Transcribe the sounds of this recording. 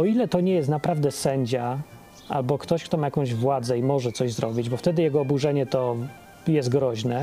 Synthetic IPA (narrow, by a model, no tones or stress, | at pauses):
ɔilɛt̪ɔɲɛjɛst̪napɾavd̪ɛsɛɲd͡ʑa | a̰lbɔkt̪ɔɕkt̪ɔmajakɔ̃w̃ʑvwad̪zɛimɔʐɛt̪sɔʑzɾɔbʲid͡ʑbɔft̪ɛd̪ɘjɛɡɔːbuʐɛɲɛt̪ɔ | jɛzt̪̚ɡɾɔʑnɛ